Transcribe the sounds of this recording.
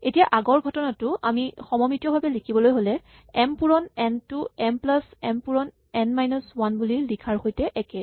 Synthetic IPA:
etijaʔaɡɔɹɡʱɔtɔnatʊʔamixɔmɔmitijɔbʱabɛlikʰibɔlojɦolɛ | ɛmpuɹɔnɛntuɛmplasɛmpuɹɔn | ɛnmajnɔswanbuliɹlikʰaɹxojtɛʔɛkɛ

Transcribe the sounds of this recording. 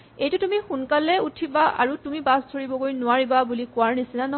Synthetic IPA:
ejtʊtumixunkalɛutʰibaa̰ɹutumibasdʰʱoɹibɔkojnʊaɹibabulikʊwaɹnisinanɔ

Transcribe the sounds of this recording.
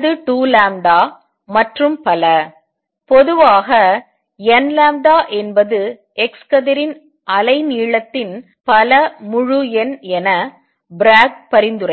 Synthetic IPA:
ðɯʈuːlaːmɖaː | mɐʈrɯmpɐlɐ | pɔðɯʋaːɣɐ | ɛnlaːmɖaːʔɛnbɐðɯ | ɛkskɐðɐɾɪn | ʔɐlɐɪniːɭɐt̪ːɪn | pɐlɐmʊɻɯɛnɛnɐ | bɾaːɡ̚pɐɾɪnd̪ɯrɐ

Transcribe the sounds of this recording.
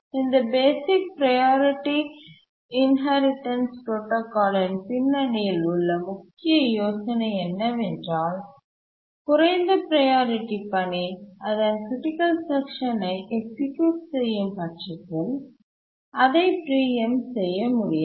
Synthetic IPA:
ɪnd̪ɐbeːsɪk̚pɾɐjaːɾɪʈːi | ɪnɦaːɾɪʈːɐnsʈoːʈːɐkaːɽɐnpɪnːɐɽɪjɪlʊɭːɐmʊkːɪjɐjoːsɐnɐɛnːɐʋɛndraːl | kʊɾɐɪnd̪ɐpɾɐjaːɾɪʈːipɐɳiɐðɐnkɾɪʈɪkɐlsɛkʂɐnɐɪʔɛksɪkjuːʈsɛjːɯmpɐʈʂɐtːɪl | ɐðɐɪpɾiːjɐmsɛjːɐmʊɽɪj

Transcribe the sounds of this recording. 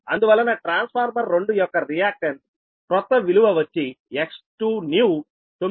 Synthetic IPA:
ɐnd̪uʋɐlːɐnɐːʈɾaːnspʰaːɾmɐɾːoɳɖujɔkːɐɾijaːkʂɐn | pɾɔt̪ːɐʋiluʋɐʋɐt͡ʃːieksʈuːnjuː | t̪o

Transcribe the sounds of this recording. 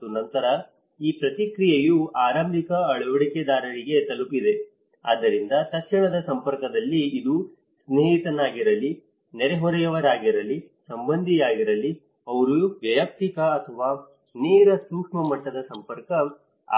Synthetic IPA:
unɐnt̪ɐɾɐ | iːpɾɐt̪ikɾijejuaːɾambikɐɐɭuʋɐɽiked̪aːɾɐɭiɡe̞t̪ɐlupid̪e̞ | a̰ːd̪ːɐɾind̪ɐt̪ɐkʂiɳɐd̪ɐsɐmpɐɾkɐd̪ɐlːiːd̪u | sneːɦit̪ɐnaːɡiɾɐlːi | nɛɾeɦɔɾɐjɐʋɐɾaːɡiɾɐlːisɐmbɐnd̪ʱijaːɡiɾɐlːi | ɐʋɐɾuuʋjɐjɐk̚t̪ikɐːt̪ʰɐʋaː | niːɾɐsuːkʂmɐmɐʈːɐd̪ɐsɐmpɐɾkɐ̰

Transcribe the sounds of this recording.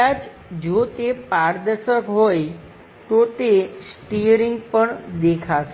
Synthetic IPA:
ad͡ʒ | d͡ʒot̪epaɾd̪əɾʃəkɦoj | t̪ot̪esʈiɾiŋɡpəɳd̪ekʰaʃe

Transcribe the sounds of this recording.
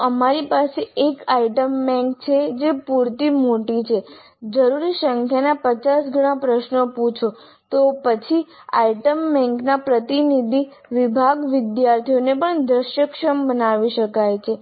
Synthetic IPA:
əmaɾipaseekaiʈəmbɛ̃ŋk̚t͡ʃʰed͡ʒepuɾt̪imoʈit͡ʃʰe | d͡ʒəɾuɾisəŋkʰjanapət͡ʃasɡəɽ̃apɾəʃnoput͡ʃʰo | t̪opət͡ʃʰi | a̰iʈəmbɛ̃ŋknapɾət̪inid̪ʱi | ʋɪbʱaɡʋɪd̪jaɾt̪ʰionepəɳd̪ɾəʃjəkʃəmbənaʋiʃəkajt͡ʃʰe

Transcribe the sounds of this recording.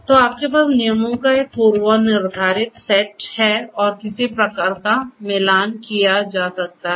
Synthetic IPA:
t̪oaːp̚kep̬aːsnɪjəmõkaek̚puːɾʋanɪɾd̪ʱaːɾɪt̪sɛʈhɛɔːɾkɪsepɾɐkaːɾkamɛːlaːnkijad͡ʒaːsɐk̚t̪aɦɛ

